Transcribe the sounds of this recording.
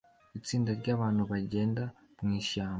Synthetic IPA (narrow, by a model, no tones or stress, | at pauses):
it͡siːndaɾɟaːβaːn̥huβaɟe̞ːnda | mŋiːʃaːmba